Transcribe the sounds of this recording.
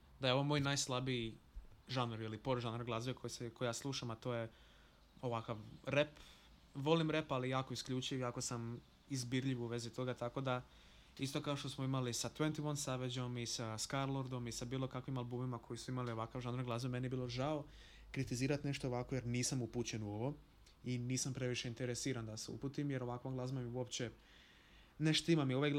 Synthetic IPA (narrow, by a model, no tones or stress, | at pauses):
d̪ajeo̞ʋomoːjnaːjslˠabiiʒanoɾilipo̞ɾʒanaɾɡlˠazekʰojiseko̞jijaːslˠuːʃamat̪o̞je̞ | o̞ʋakaʋɾep | ʋo̞limɾe̞palijaːkoiskʎut͡ʃiʋjaːko̞sam | izbiɾʎiʋuʋe̞zit̪o̞ɡat̪ako̞d̪a | ist̪o̞kao̞ʃt̪osmoimalisat̪ʋent̪imonsaʋed͡ʑo̞misaskaɾlˠoɾd̪o̞misabiːlˠo̞kakʋimalˠbumimakʰo̞jisuimalio̞ʋakaʋʒand̪ɾaŋɡlˠaːzmamenijebiːlˠo̞ʒao | kɾit̪iziːɾat̪ne̞ʃt̪oːʋakoje̞ɾniːsamuput͡ɕe̞nuo̞ʋo̞ | iniːsampɾe̞ʋiʃe̞int̪eɾesiːɾand̪aseṵpuːt̪imje̞ɾoʋakʋoŋɡlˠazmamiuo̞pt͡ɕe | neʃt̪imamio̞ʋaj